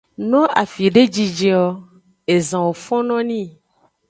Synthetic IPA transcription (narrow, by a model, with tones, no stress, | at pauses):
nɔ̃˦a˨fi˨ɖe˦d͡ʒi˨d͡ʒe˦ɔ˨ | e˨zã˨wo˨fɔ̃˦nɔ̃˦nĩ˦˨